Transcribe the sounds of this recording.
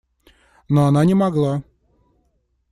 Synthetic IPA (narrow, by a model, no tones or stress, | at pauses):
noɐnanʲɪmɐɡlˠa